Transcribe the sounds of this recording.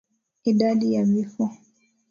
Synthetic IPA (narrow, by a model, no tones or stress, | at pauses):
iɗaɗijavifɔ